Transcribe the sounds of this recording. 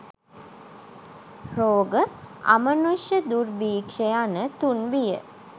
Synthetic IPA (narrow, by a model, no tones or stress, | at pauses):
roːɡəa̰mənuʃjəd̪urbiːkʂejanət̪unʋijə̰